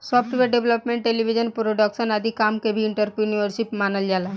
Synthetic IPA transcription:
sɔpʰʈiʋeɖeʋləpmẽɳʈʈelibʱid͡ʒənpɾoɖəksənad̪ʱikamkebʱiːɳʈəɾpiuniəɾsipmanəld͡ʒala

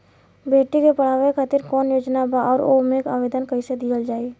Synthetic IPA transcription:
beːʈikepəɽ̤aːʋekʰat̪ɪɾkɔːnjoːd͡ʒnabaʔɔːɾomeka̰ːʋeːd̪ənkɐĩsed̪ijəld͡ʒaːeː

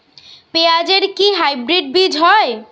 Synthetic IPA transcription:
pead͡ʑeɾkiɦajbɾiɖ̚bid͡ʒʱɦɔe

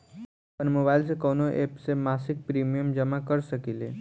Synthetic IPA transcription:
pəɳmobajls̬ekonoʔepsemasik̚pɾimijəmd͡ʒəmakəɾsəkile

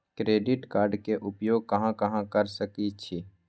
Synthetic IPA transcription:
kɾeːɖɪʈkaːɾɖkeʔʊpjoːɡ̚kəɦãkɐɦãkəɾsəkit͡ʃʰi

